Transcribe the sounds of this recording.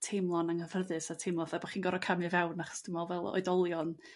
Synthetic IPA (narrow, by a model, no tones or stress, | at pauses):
tʰejmlˠɔnaŋhəv̥ərðɨsatʰejmlˠɔθabɔχiːnɡɔɾɔkʰamɨvɛwnaχɔ̥sd̥ɪmɔlˠvɛlˠɔ̰ɨdɔlˠjɔn